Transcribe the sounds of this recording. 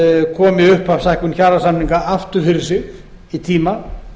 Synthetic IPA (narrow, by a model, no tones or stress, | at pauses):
kʰɔːmɪʏhpavsajhkʏnçaːɾasamniŋkaʔaft̪ʏɾθɪls̬ɪ | it̪ʰiːma